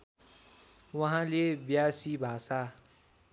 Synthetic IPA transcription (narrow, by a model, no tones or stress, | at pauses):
wɐɦãlebjaːsibʱaːsa